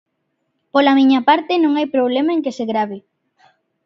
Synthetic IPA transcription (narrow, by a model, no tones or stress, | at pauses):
polamiɲapaɾt̪ɪnõŋajpɾoβlemaeŋkeseɣɾaβɪ